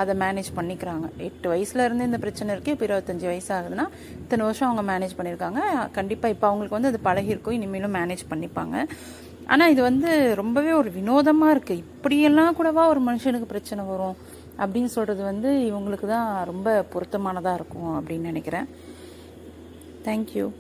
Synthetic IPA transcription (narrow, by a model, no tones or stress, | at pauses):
ɐðɛmaːneːd͡ʒpɐɳːɪkːɪɾaːŋɡɐɛʈːɯʋɐjɐsɪlɐɪɾɯnd̪ɯɪnd̪ɐpɪɾɐt͡ʃːɐnɛɪɾɯkːɯ̃pːɔɪɾɐʋɐt̪ːɐɲd͡ʒɯʋɐjɐsaːɣɐðɯnaː | ɪt̪ːɐnɐʋɐɾʂɔ̃ɐʋɐŋɡɐmaːneːd͡ʒpɐɳːɪɾɯkːaːŋɡɐkɐɳɖɪpːaːɪpːoːɐʋɐŋɡɐɭɯkːɯʋɐnd̪ɐðɯpɐlɐɣɪɪɾɯkːʊ̃ɪnːɪmeːlʊ̃maːneːd͡ʒpɐɳːɪpːa̰ːŋɡɐ | ʔa̰ːnaːɪðɯʋɐnd̪ɯɾɔmbɐʋeːɔɾɯʋɪnoːðɐmaːɪɾɯkːɯɪpːɐɽɪjɛlːãːkuːɽɐʋãːɔɾɯmɐnɯʂɐnɯkːɯpɪɾɐt͡ʃːɐnɐʋɐɾʊ̃ | ʔɐpːɐɽɪnːsɔlrɐðɯʋɐnd̪ɯɪʋɐŋɡɐɭɯkːɯt̪ãːɾɔmbɐpʊɾɐt̪ːɐmaːnɐðãːɪɾɯkːʊ̃ɐpːɽɪnːnɪnɛkːɪɾẽː | t̪ʰɛːŋkjṵː